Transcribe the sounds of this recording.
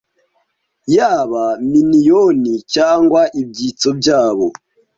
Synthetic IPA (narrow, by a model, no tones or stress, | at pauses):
jaβaminijonicaːŋɡwaʔibɟit͡sobɟaːβo